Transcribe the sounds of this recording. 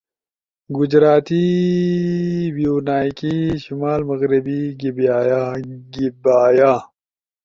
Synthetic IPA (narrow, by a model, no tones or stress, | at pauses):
ɡʊd͡ʑɾaːt̪i | bijuːnaːikiʃumaːlmɐɣɾibiɡibaːjɡibaːjaː